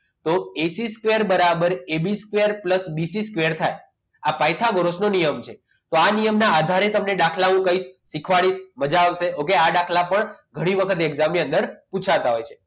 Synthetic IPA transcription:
t̪oesiskʋeəɾbəɾabəɾebiskʋeəɾpləsbisiskʋeəɾt̪ʰaj | apajt̪ʰaɡəɾosnonijəmt͡ʃʰe | t̪oanijəmnaad̪ʱaɾet̪əmneɗakʰlaɦũkəiʃːikʰʋaɭiʃməd͡ʒaʋʃeokeaɖakʰlapəɳɡʱəɽ̃iʋəkʰət̪eɛɡzamiə̃nd̪əɾput͡ʃʰat̪aɦojt͡ʃʰe̥

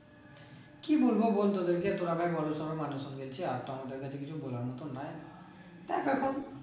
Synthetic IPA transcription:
kibolbobolt̪od̪eɾked̪oɾabʱajbɔɾosɔɾomanuʃɔnɡelt͡ɕʰeaɾt̪ɔmad̪eɾkat͡ɕʰekit͡ɕʰubolaɾmɔt̪onae | t̪ajpɛkʰon

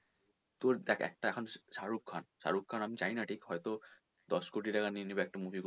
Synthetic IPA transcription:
t̪oɾd̪ɛkʰɛ̰k̚ʈaɛkʰonʃaɾukʰːanʃa̰ɾukʰːanamit͡ɕajnaʈʰikhɔjt̪o | d̪ɔʃkoʈ̬iʈakaninibeɛk̚ʈamubʱiku

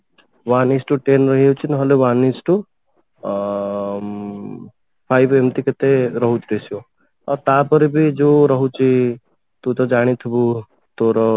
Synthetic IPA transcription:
ʋanisʈuʈenɾəɦiot͡ʃʰinɦəleʋanisʈu | pʰajbemt̪iket̪eɾəɦut͡ʃɾesio | ɔt̪apəɾibʱid͡ʒoɾəɦut͡ʃʰi | t̪ut̪ɔd͡ʒaɽ̃it̪ʰibu | t̪oɾɔ

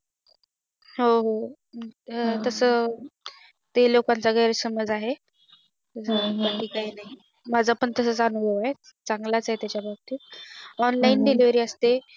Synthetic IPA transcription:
ɦoɦo | t̪əsə | t̪elokant͡saɡəjɾsəməd͡zaɦe | t̪əsəəʈʰiːkaɦinaɦi | mad͡zʱapəɳt̪əsət͡sanubʱəʋaɦe | t͡sãŋɡlat͡saɦet̪jat͡ɕjabʱab̚t̪iːɔnlainɖeliʋəɾiːəst̪e

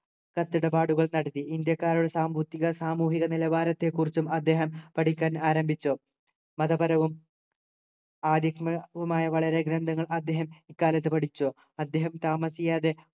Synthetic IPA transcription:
kɐt̪ːiɽɐpaːɽuɣɐɭnɐɽɐt̪ːiind̪jɐkːaːɾuɽe̞saːmbut̪ːiɣɐsaːmuːɦiɣɐnilɐbaːɾɐt̪ːe̞kːurit͡ɕːumɐd̪ːe̞ːɦɐmpɐʈikʲːaːnaːɾɐmbʱit͡ɕːo̞ː | mɐðɐbɐɾɐʋum | aːd̪jɐkmɐʋumaːjɐʋɐɭɐɾe̞ɡɾɐnd̪ʱɐŋːɐɭɐd̪ːe̞ːɦɐmikːaːlɐt̪ːɨpɐʈit͡ɕːoː | ɐd̪ːe̞ːɦɐmt̪aːmɐsijaːðe

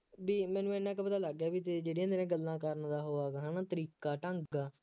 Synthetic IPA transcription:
biːmɛ̃ːnũːɛːnãkpət̪aːləɡjaːbiːt̪eːd͡ʒeːɽiãːnd̪ɾẽːɡəlːãːkəɾnd̪aːɦoːaːkːɦãːnaːt̪əɾiːkaːʈə̃ŋɡaː

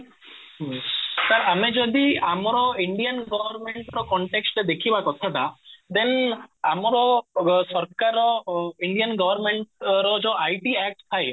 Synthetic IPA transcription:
ɦt̪aɾamed͡ʒɔd̪iamɔɾɔiɳɖijənɡɔʋəɾmeɳʈɾɔkɔɳʈeksʈed̪ekʰibakɔt̪ʰat̪ad̪enamɔɾɔsɔɾkaɾɔiɳɖijənɡɔʋəɾmeɳʈɾɔd͡ʒɔajʈiɛk̚ʈt̪ʰaj

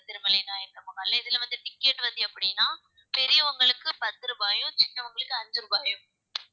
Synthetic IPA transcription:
t̪ɪɾɯmɐlenaːjɐkɾɐmɐɣɐːlːɐɪðɪlʋɐnd̪ɯʈɪkːeʈːʋɐnd̪iɐpːɐɽɪnːaː | pɛɾɪjɐʋɐŋɡɐɭɯkːɯpɐt̪ːɯɾɯbaːjɯ̃t͡ʃɪnːɐʋɐŋɡɐɭɯkːɯɐɲd͡ʒɯɾɯbaːjɯ̃

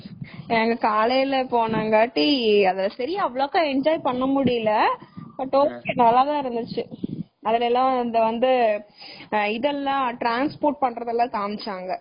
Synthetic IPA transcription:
ɛːŋɡɐkaːlɐjɪlɐpoːnaːŋɡaːʈːiɐðɪlɐsɐɾɪjaɐʋɐɭoːkːãːɛɲd͡ʒaːjpɐɳːɐmʊɽɪjɪlɐbɐʈːoːenɐlːaːðãːɪɾɯnd̪ɯt͡ʃːɯ | ɐðɪlɛlːãːɪnd̪ɐʋɐnd̪ɯ | ɪðɛlːãːʈɾaːnspoːɾʈ̚pɐɳɾɐðɛlːãːk̪aːmɪt͡ʃːaːŋɡɐ

